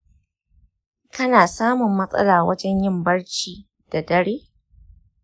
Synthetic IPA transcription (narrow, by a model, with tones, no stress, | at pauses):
kʰɐ˦naː˨saː˦mʊ˨mːɐ˦sʼɐ̰˦laː˨wɐ˦d͡ʒɛ˦ɲjɪ˦˨mbɐ˦ɽt͡ʃiː˦ | d̥a˨dɐ˦ɽeː˦